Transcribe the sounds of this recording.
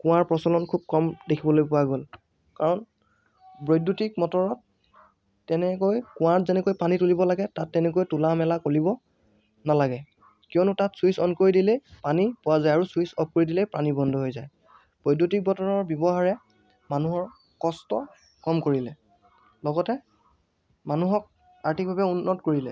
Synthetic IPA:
kʊ̃waɹpɹɔsɔlɔnkʰub̚kɔmdekʰibɔlojpʊwaɡol | kaɹɔn | bɹojdːutik̚mɔtɔɹɔt̚ː | ɛnɛkojkʊ̃watzɛnɛkojpanitulibɔlaɡɛtatːɛnɛkojtulamɛlakolibɔ | nalaɡɛ | kijɔnʊtatsuisɔnkoɹjdilepanipʊwazajaɹusuisɔp̚koɹidilɛpɹanibɔndʱɔɦojzaj | b̥ɹojdutik̚bɔtɔɹɔɹbjɔbɔɦaɹɛ | manuɦɔɹ | kɔstɔ | kɔmkoɹilɛ | lɔɡɔtɛ | manuɦɔk̚ | aɹtʰik̚bʱabɛunːɔtkoɹilɛ

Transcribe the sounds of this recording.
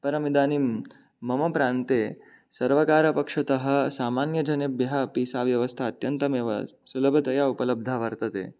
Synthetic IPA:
pɐɾɐmid̪aːnimː | ɐmɐpɾaːnt̪e | sɐɾʋɐkaːɾɐpɐkʂɐt̪ɐɦɐ̆saːmanjɐd͡ʒɐnebjɐɦɐpiːsaʋjɐʋɐst̪ʰaːt̪jɐnt̪ɐm̰sulɐbʱɐt̪ɐjaupɐlɐb̚d̪ʱaʋɐɾt̪ɐt̪ḛː

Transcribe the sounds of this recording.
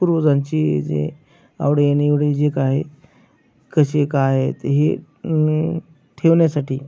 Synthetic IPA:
puɾʋəd͡zãɲt͡ɕid͡zḛ | a̰ʋɽeaniʋɽ̤ed͡ʑekaːɦe | kəɕekaːɦet̪ɦḛ | ʈʰeʋɳjasaʈiː

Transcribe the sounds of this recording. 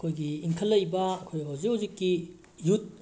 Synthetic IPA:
ɐkʰojɡiːnkʰɐlːɐjbɐɐkʰojɦɐwzikhɐwzikːi | jut̚

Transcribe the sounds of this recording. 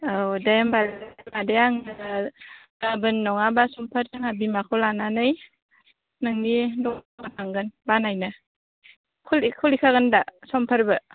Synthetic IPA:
awdembalmadeaŋnɯ | abɯnːɔŋabasɔmpʰəɾdɯŋhabimakʰowlananɯj | nɯŋnidɔkataŋɡɯnbanajna | kʰulikʰulikʰaɡɯndasɔmpʰaɾbɯ

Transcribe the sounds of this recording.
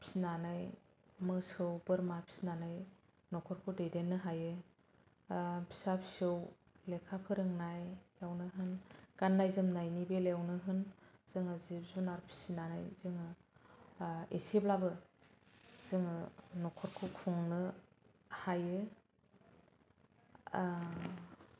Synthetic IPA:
pʰi̥sinanaj | mɯsɯwbɯɾmapʰi̥sinanaj | nɔkʰɔɾkʰudedenːɯɦajɯ | pʰi̥sapʰi̥sɯw | lekʰapʰɯɾɯŋnajjawnɯɦɯnɡ̥anːajzɯmnajnibeljawnɯɦɯnz̥ɯŋɯzip̚zunaɾpʰi̥sinana̰jzɯŋɯ | esiblabɯ | z̥ɯŋɯnɔkʰɔɾkʰukʰɔŋnɯ | hajɯ

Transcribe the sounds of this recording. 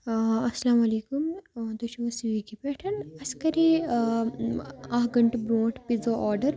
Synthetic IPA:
ɐsɐlaːmɐleːkumd̪oɕiʋɐsiʋikipɛʈʰɐnɐskɐɾi | aɦɡɐɳʈbɾoːʈpid͡zoʔɔɖəɾ

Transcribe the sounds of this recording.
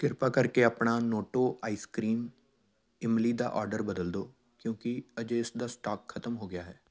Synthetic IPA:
kɪɾpakəɾkeəpnanoːʈoːʔaːiskɾiːm | ɪmlid̪a̰ʔɔ̰ːɾɖəɾbəd̪əld̪oː | kjõːkiəd͡ʒɪsd̪aːsʈaːkxʰət̪əmɦoɡɪjaɦɛː

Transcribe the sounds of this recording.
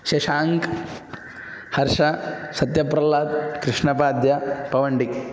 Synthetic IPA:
ʃeʃaːŋk | hɐɾʂɐsɐt̪jɐpɾɐlaːt̪kɾɪʂɳɐpaːd̪jɐpɐʋɐɳɖik

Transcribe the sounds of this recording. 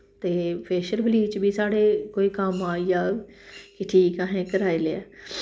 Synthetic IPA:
t̪eːpeːʃəɾbəliːt͡ʃbʱisaːɽeːkoːiːkamaːjaːkɪʈʰiːkãːɦẽːkəɾaːileaː

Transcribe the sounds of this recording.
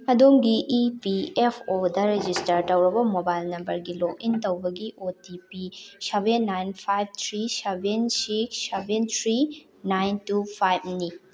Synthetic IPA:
ɐdomɡiʔːpiepʰodɐɾed͡ʒistɐɾtɐwɾɐbɐmobajlnɐmbɐɾɡilok̚intɐwbɐɡiʔotipisebenːajnpʰajb̚t̪ʰɾisebʱensik̚sebent̪ʰɾi | najntupʰajb̚ni

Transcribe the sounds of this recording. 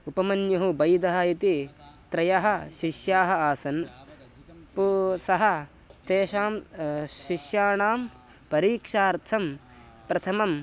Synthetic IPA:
upɐmɐnjɐɦubɐjd̪ɐɦɐit̪it̪ɾɐjɐɦɐ̆ʃiʃjaːɦɐ̆aːsɐn | pusɐɦɐ | t̪eːʃaːmʃiʃjaːɳaːm | pɐɾiːkʂaːɾt̪ʰɐm | pɾɐt̪ʰɐmɐm

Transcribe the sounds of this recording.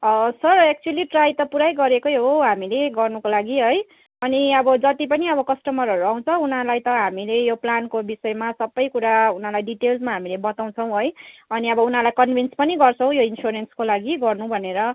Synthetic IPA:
ʌsʌrek̚t͡suʌliʈrajt̪ʌpuɾajɡʌɾekojɦoɦamileɡʌrnukolaɡiɦʌj | ʌniʌbʌd͡zʌt̪ip̬ʌniʌbʌkʌsʈʌmʌɾʌɾuaw̃t͡sʰʌunalajt̪ʌɦamilejoplankobisʌemasʌbːʌjkuɾaunalajɖiʈelsmaɦamilebʌt̪aw̃t͡sʰʌw̃ɦojʌniʌbʌunɦalajkʌnbʱinspʌniɡʌrt͡sʰʌ̃w̃joinsoɾenskolaɡiɡʌrnũbʱʌneɾʌ

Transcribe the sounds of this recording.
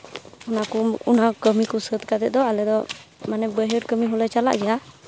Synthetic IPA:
unakuunakəmikusət̪̚kad̪ɛʔ̚d̪ɔalɛd̪ɔmanɛbəɦəɾkəmiɦɔlɛt͡ʃala̰ʔɡɛja

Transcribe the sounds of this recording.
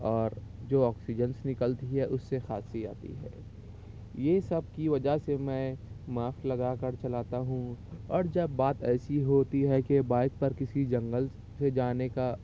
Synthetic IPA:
ɔːɾd͡ʒoːɔːksid͡ʒənsnɪkəlt̪iɦɛʔʊsːexaːsia̰ːt̪ḭɦɛ̰ː | jesɐb̚kiʋɐd͡ʒasemɛ̃maːflɐɡaːkɐɾt͡ʃɐlaːt̪aɦũɔːɾd͡ʒɐbːaːt̪ɛːsiɦoːt̪iɦɛkebaːɪd̪̚pɐɾkɪsid͡ʒɐ̃ŋɡəl | sed͡ʒaːneka

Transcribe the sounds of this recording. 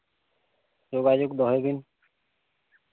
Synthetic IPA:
d͡ʒoɡad͡ʑoɡd̪ɔɦebin

